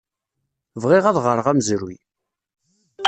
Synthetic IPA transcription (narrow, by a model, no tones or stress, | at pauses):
vʁɪʁæðʁəɾəʁæmzɾu